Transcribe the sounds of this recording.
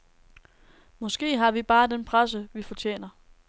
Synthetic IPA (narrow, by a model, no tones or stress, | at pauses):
mɒ̽sɡ̥e̝̰ːɦɑ̈ʋib̥ɑ̈ːd̥enpʰʁas̬əʋifɒ̽t͡ɕʰḛːnɐ